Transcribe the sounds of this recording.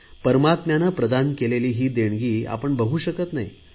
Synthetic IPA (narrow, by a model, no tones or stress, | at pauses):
pəɾmat̪mjanapɾəd̪ankeleliːɦiːd̪eɳ̃ɡiːa̰pəɳbəɦuːɕəkət̪naɦi